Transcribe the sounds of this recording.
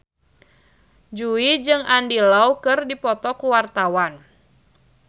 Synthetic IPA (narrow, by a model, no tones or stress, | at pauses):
d͡ʒuid͡ʒɨŋandilaukɨrdipɔt̪ɔkuwart̪awan